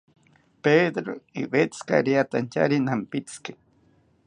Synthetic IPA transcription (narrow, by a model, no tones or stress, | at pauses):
ped̪ɾoiwet͡ska̰ɾiat̪ant͡ʃa̰ɾinampit͡ske̥